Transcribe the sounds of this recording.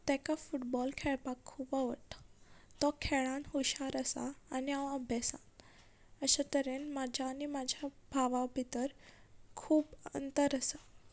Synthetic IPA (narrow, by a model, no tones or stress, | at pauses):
t̪ɛ̃kafuʈbɔlkʰɛɭpakʰːuːpəʋəʈḁt̪ɔkʰɛɭãnɦuɕaɾəsa̰ːniãəbʱjasã̰n | əɕat̪əɾenmad͡ʑʱjaːnimad͡ʑʱjabʱaʋabʱit̪əɾkʰuːbə̰nt̪əɾəsa